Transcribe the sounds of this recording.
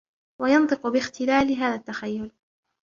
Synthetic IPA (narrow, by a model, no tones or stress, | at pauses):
wajɑnt̪ˤɨqʊbɪxt̪ɪlaːlɪɦaːðat̪ːaxajːʊl